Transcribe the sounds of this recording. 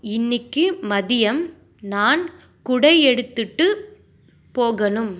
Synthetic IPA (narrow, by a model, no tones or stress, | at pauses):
ɪnːɪkːɯmɐðɪjɐm | naːn | kʊɽɐɪɛɽɯt̪ːɯʈːɯ | poːɣɐnɯm